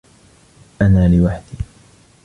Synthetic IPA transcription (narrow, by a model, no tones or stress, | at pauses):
ʔanaːlɪwaħd̪iː